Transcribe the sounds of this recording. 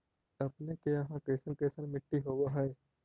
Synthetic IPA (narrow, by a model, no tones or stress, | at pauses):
ɐpnekeɐɦãkɾeːsənkɾeːsənmɪʈːiɦoːwaɦɛː